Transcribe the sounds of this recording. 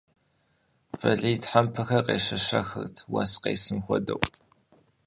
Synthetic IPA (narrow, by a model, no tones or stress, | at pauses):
fɐɮijtħampʰɐxɐrqeːʃɐʃɐ̰xɨ̰rtʰwa̰ːsqḛːsɨmxʷɔdɐ̰w